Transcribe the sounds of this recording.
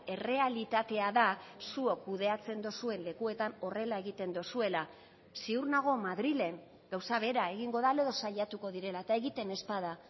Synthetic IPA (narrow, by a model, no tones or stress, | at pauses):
e̞re̞alit̪at̪e̞aðasuo̞kːuðe̞at͡se̞nd̪o̞sue̞nle̞kue̞t̪ano̞re̞lae̞ɣit̪e̞nd̪o̞sue̞la | siuɾnaɣ̞o̞maðɾile̞ŋ | ɡ̥awsaβe̞ɾae̞ɣiŋɡo̞ðaleðo̞saʎat̪uko̞ðiɾe̞laet̪ae̞ɣit̪e̞ne̞spað̞a